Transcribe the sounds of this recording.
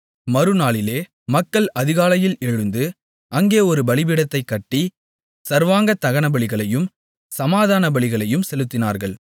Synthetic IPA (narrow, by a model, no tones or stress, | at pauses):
mɐɾɯnaːɭɪleː | mɐkːɐɭɐðɪɣaːlɐjɪlɛɻɯnd̪ɯ | ɐŋɡeːɔɾɯbɐɭɪbɪɽɐt̪ːɐɪkːɐʈːi | sɐɾʋaːŋɡɐt̪ɐɣɐɳɐbɐɭɪɣɐɭɐjɯm | sɐmaːðaːnɐbɐɭɪɣɐɭɐjɯmsɛlɯt̪ːɪna̰ːɾɣɐɭ